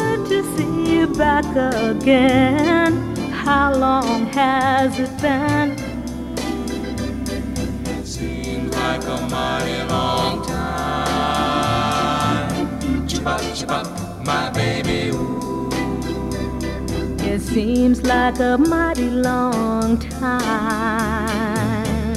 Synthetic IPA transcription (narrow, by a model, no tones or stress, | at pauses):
tʰɨsijɨbækəɡɛn | haʊlɔ̃ŋɨzɨt̚b̥ɨn | ɪ | ɪtsi | mzlaɪkəmaɪɾilɔ̃ŋtʰaɪ | ʌt͡ʃʌ | maɪbeɪbi | ɪtsimzlaɪkəmaɪɾilɔŋtʰa